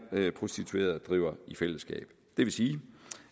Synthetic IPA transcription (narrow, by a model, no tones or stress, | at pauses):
pʰʁo̝sd̥it͡sʰue̝̰ːɐðˠd̥ʁiʊ̰ɐifel̰əsɡ̥ɛ̰ːb̥ | d̥e̝ʋe̝siː